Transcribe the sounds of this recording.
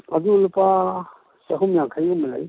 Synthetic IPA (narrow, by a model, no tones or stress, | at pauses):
azuːlupa | saɦumjaŋkʰajumila̰j